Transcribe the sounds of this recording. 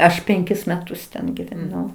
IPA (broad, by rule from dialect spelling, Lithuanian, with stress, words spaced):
ˈɐʃ pʲɛŋʲˈkʲɪs mʲɛˈtʊs tʲɛn ɡʲɪʋʲɛˈnɐʊ